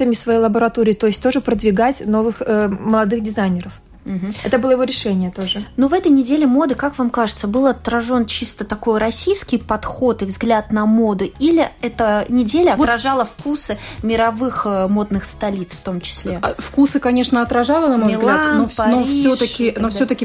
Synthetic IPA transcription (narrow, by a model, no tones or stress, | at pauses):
əmʲɪsvɐjejlˠəbəɾɐt̪oɾʲɪːt̪o̞ɪsʲt̚ʲt̪o̞ʐɨpɾəd̪vʲɪɡatʲno̞vɨxəməlˠɐd̪ɨxdʲɪzajnʲɪɾəf | m̩ɦm̩ɛt̪əbɨlˠəjɪvoɾʲɪʂɛnʲɪjət̪oʐɨnovɛt̪əjnʲɪdʲelʲɪmo̞d̪ɨkakvamkaʐɨt̪səbɨlˠɐt̪ɾɐʐo̞nt͡ɕist̪ət̪ɐko̞jɾɐsʲijskʲɪjpɐt̪xo̞t̪ɨvzɡlʲat̪nɐmo̞d̪ɨilʲɪɛt̪ənʲɪdʲelʲəɐt̪ɾɐʐalˠəfkusɨmʲɪɾɐvɨxəmo̞d̪nɨxst̪ɐlʲit̪sft̪o̞mt͡ɕɪ̥sʲlʲefkusɨkɐnʲe̞ʂnəɐt̪ɾɐʐalˠənɐmozlɡlˠanɐnofsʲot̪əkʲɪnofsʲot̪əkʲɪ